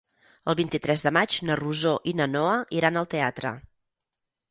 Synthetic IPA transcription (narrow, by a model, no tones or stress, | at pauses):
əlˠβint̪it̪ɾɛzðəmad͡ʒnəruzoʔinənoəʔiɾanəlˠt̪eat̪ɾə̰